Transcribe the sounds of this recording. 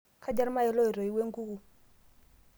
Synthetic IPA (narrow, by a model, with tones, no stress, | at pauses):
kʰa˦d͡ʒa˦ɾma˦ɛ˦lɔ˦i˨ɾɔ˨i˦we˦ŋku˦ku˨